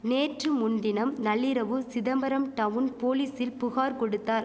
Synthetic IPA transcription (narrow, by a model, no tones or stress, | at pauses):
neːʈrɯmʊnd̪ɪnɐmnɐɭːɪɾɐʋɯsɪðɐmbɐɾɐmʈɐʋɯnpoːliːsɪlpʊɣaːɾkɔɽɯt̪ːaːɾ